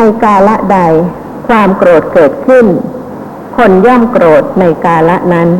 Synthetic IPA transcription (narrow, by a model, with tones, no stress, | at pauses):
na˧jkaː˧la˦˥ʔda˧j | kʰwaː˧mkɾoː˨˩t̪̚kɤː˨˩t̪̚kʰɯ˥˩n | kʰo˧nja˥˩mkɾoː˨˩t̪̚na˧jkaː˧la˦˥ʔna˦˥n